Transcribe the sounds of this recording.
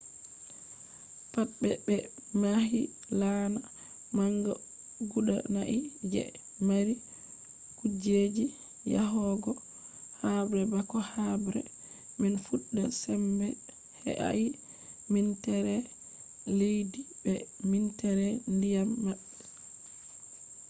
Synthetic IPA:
pat̚bɛbɛ | mahi | lana | maŋɡɔ̰ | ɡuɗa̰naʔid͡ʒɛ̰ | maɾi | kud͡ʒed͡ʒi | ja̰ɦɔɡɔ | habɾɛbakɔhabɾɛ̰ | mɛnfuɗːasɛmbɛ | hɛ̰ʔa̰ʔi | mintɛɾɛ | lejdibɛmintɛɾɛndijamːaɓːi

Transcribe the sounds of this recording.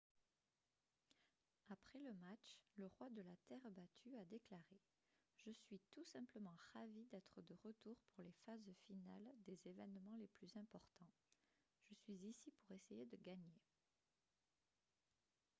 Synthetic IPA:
apχɛləmat͡ʃləʁwad̪əlat̪ɛʁbat̪ʰyad̪eklaʁe | ʒ̥əsɥit̪usɛ̃pləmɑ̃ʁavid̪ɛt̪χəd̪əʁət̪uʁpuʁlefazfinald̪ezevɛnmɑ̃leplyzɛ̃pɔʁt̪ɑ̃ | ʒ̥əsɥizisipuʁesejed̪əɡaɲe

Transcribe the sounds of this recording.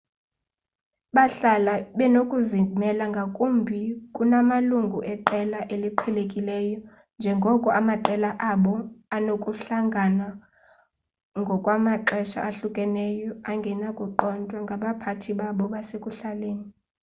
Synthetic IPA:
ɓaɬalaɓɛnokʼuzimɛlaŋɡʱakʼumbʱikʼunamaluŋɡʱuʔɛǃɛlaʔeliǃʰɛlekʼilɛjɔ | nd͡ʒʱɛŋɡʱɔkʼɔʔamaǃɛlaʔaɓɔanokʼuɬaŋɡʱana | ŋɡʱɔkʼwamaǃɛʃa̰ʔaɬukʼɛnɛjɔaŋɡʱɛnakʼɔǃɔntʼwaŋɡʱaɓapʰatʰiɓaɓɔɓasekʼuɬaleːni

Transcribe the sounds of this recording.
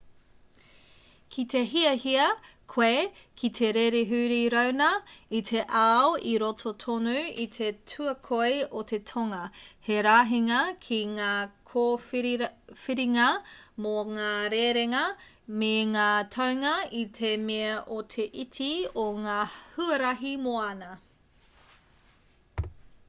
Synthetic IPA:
kʰit̪eɦiɐhiɐkʰwekʰit̪ʰeɾeɾeɦʉːɾiɾɐwnɐit̪ʰeʔawiɾotʰotʰonuitʰe̞tʰuɐkʰojot̪ʰetʰoŋɐheɾaːɦiŋɐkʰiŋaːkʰo | fiɾiŋɐmoŋaːɾeːɾeŋɐ | meŋaːtʰɐwŋɐit̪ʰemeɐʔotʰe̞ʔitʰioŋaːhuɐɾɐɦimoɐnɐ

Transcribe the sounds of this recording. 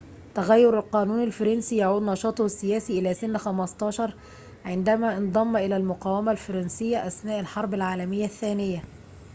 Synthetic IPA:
t̪æɣæjːʊɾɪlqɑːnuːnɪlfɑɾɑnsiːjaʕuːd̪nɑʃɑːt̪ˤhsːɪjæːsiʔɪlæːsɪnːxæmɑst̪ˤɑːʃɑɾˤ | ʕɪnd̪æmæːʔɪnd̪ˤɑmːʔɪlæːlmʊqɑːwæmælfɑɾˤɑnsɪjːæʔæsnæːʔɪlħɑɾˤbɪlʕaːlæmɪjːæθːæːnɪjːæ

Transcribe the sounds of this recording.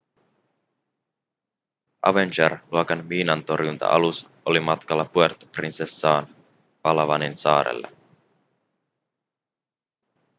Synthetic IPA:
ʔɑ̰ʋenʲt͡ʃerluokɑnmiːnɑnt̪o̞rjunt̪ɑ̰ʔɑ̰lus | ʔolimɑt̪kɑlːɑpue̞rt̪o̥prinsesːɑːn | pɑlɑʋɑninsɑːɾḛlːɑ̰

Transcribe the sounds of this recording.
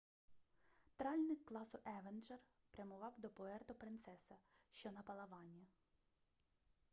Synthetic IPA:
t̪ɾɑlʲnɪkkːlˠɑsʊʔɛʋenʒɛr | pɾʲɐmʊʋɑwd̪ɔpɔɛrt̪ɔpɾɪnt̪sɛsɐʃt͡ʃɔnɐpɐlˠɐʋɑnʲːɐ

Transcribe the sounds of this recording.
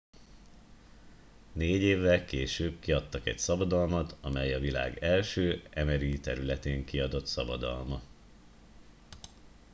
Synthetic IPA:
neːɟeːvːɛlkeːʃøːbkiɒt̪ːɒkɛcsɒbɒd̪ɒlmɒt̪ʰɒmɛjɒvila̰ːɡɛlʃøːɛmɛɾit̪ɛɾylɛt̪eːŋkiɒd̪o̞t̪sɒbɒd̪ɒ̰lmɒ

